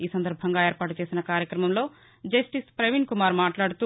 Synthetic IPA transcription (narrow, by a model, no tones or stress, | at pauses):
iːsɐnd̪ɐɾbʱɐŋɡaːeːɾpaːʈut͡ʃe̞ːsinɐkaːɾjɐkɾɐmɐmlo̞ː | d͡ʒɐsʈispɾɐʋiɳkumaːɾmaːʈlaːɽut̪u